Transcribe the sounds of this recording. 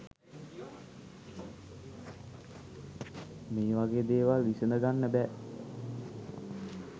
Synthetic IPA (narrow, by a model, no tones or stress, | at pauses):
meːʋaɡeːd̪eːʋalʋisənəɡanːəbɛː